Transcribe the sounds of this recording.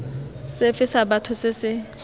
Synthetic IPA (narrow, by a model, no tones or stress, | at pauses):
sefɪsaɓatʰʊsɪsɪ